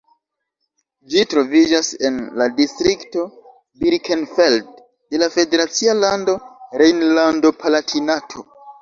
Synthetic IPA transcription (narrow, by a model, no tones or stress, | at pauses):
d͡ʒitɾo̞vid͡ʒase̞nladistɾikto̞ | biɾkʰenfeld | de̞lafe̞de̞ɾat͡sialando̞ɾejnlando̞pʰalatʰinatʰo̞̰